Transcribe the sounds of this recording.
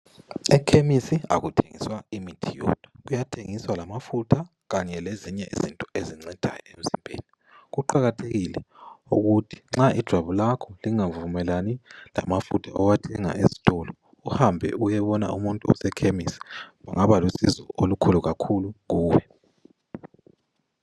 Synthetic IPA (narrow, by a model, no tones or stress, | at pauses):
ɛkʰemisia̰ɣutʰḛŋḭswaimitʰijɔ̰d̥ʰʱḁɣujatʰeŋiswalamafutʰa | ɣaɲɛleziɲɛʔḭzintʼɔeziŋ͡ǀɛd̥ʱa̰jɔ̰em̩z̥imbʱḛːni | ɣuǃaɣatʰeɣilɛuɣutʰi̥ŋ͡ǁaʔid̥ʒ̥ʱwaβulakʰɔliŋavumɛlanila̰mafutʰaʔɔwatʰɛŋa̰ʔezi̥tʼɔlɔ | uhambʱɛ̰ujɛβɔna̰umuntʼuɔ̰sɛkʰemisɛ̥βaŋaβalusizɔ̰ʔolukʰuluɣakʰuluɣuːwɛ